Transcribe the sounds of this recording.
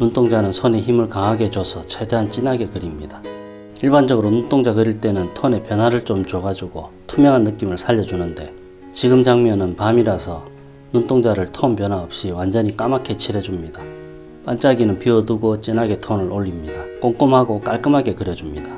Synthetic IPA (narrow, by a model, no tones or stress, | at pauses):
nuntʰoŋd͡ʑanɯnsʰone̞çimɯɭkaŋɦaɡe̞t͡ɕosʰʌt͡ɕʰe̞de̞ɦant͡ɕ͈inaɡe̞kɯɾimɲida | iɭband͡ʑʌɡɯɾonunt͈ʰoŋd͡ʑakɯɾiɭt͈e̞nɯntʰone̞pjʌnɦaɾɯɭt͡ɕ͈omt͡ɕoɡad͡ʑuɡotʰumjʌŋɦanːɯk͈imɯɭsʰaʎːʌd͡ʑunɯnde̞ | t͡ɕiɡɯmd͡ʑaŋmjʌnɯnpamiɾasʰʌ | nunt͈ʰoŋd͡ʑaɾɯɭtʰompjʌnɦaʌp̚ɕ͈iwand͡ʑʌɲik͈amakʰe̞t͡ɕʰiɾed͡ʑumɲida | p͈ant͡ɕ͈aɡinɯnpiʌduɡot͡ɕ͈inaɡe̞tʰonɯɾoʎːimɲidak͈oŋk͈ɯmhaɡok͈aɭk͈ɯmɦaɡe̞kɯɾjʌd͡ʑumɲidḁ